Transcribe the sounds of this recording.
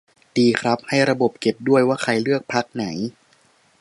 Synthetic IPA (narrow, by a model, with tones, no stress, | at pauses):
diː˧kʰɾa˦˥p̚ha˥˩jɾa˧bo˨˩p̚ke˨˩p̚du˥˩əjwaː˥˩kʰa˧jlɯ˥˩ək̚pʰa˦˥k̚na˩˦j